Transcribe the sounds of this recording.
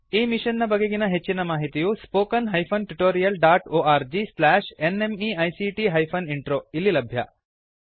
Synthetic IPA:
emiʃənːɐbɐɡeɡinaɦet͡ʃːinɐmaːɦit̪ijuspoːkənɦajfʰonʈuʈoːɾijəlɖaːʈoːaːɾd͡ʒislɛʃenemiajsiʈiɦajpʰɐniɳʈɾoːililɐbʱja̰

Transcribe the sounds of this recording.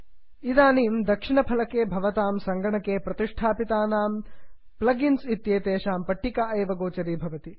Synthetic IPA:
id̪aːniːmd̪ɐkʂiɳɐpʰɐlɐkeːbʱɐʋɐt̪aːmsɐŋɡɐɳɐkeːpɾɐt̪iʂʈʰaːpit̪aːnaːm | plɐɡinsit̪jeːt̪eːʃaːmpɐʈːikaeːʋɐɡoːt͡ʃɐɾiːbʱɐʋɐt̪i

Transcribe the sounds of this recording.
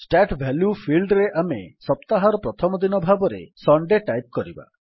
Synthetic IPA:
sʈaʈʰbʱɛljupʰilɖɾeʔamḛsɔp̚t̪aɦaɾɔpɾɔt̪ʰɔmɔd̪inɔbʱabɔɾḛsɔɳɖeʈajp̚kɔɾiba̰

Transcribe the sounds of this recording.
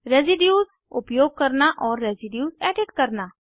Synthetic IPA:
ɾeziɖjuːz | ʊpjoːɡ̚kəɾnaʔɔːɾːɛziɖjuːzɛːɖɪʈkəɾnaː

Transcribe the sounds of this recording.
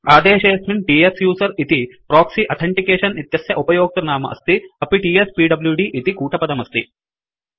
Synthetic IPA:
aːd̪eːʃeːsminʈiːesjuːsɐɾit̪ipɾoːksiʔɐt̪ʰeɳʈikeːʂɐnit̪jɐsjɐʔupɐjoːk̚t̪ɾɐnaːmɐ̰ʔɐ̰st̪iɐpiʈiːespiːɖɐbljuɖiːʔit̪ikuːʈɐpɐd̪ɐmɐst̪i

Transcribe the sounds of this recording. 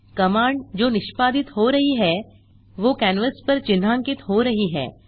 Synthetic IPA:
kɐmaːɳɖd͡ʒoːnɪʃpaːd̪ɪt̪ɦoːɾɐɦiɦɛː | ʋoːkɛːnʋəspɐɾt͡ʃɪnːãːŋkɪt̪ɦoːɾɐɦiɦɛ̰ː

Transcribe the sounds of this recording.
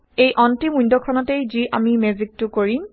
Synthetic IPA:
ejʔɔntimundɔkʰɔnɔtejziʔa̰mimezik̚tʊkoɹim

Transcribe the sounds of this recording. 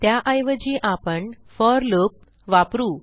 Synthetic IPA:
t̪jaʔajʋəd͡ʑiʔapəɳfəɾləp̚ | ʋapɾu

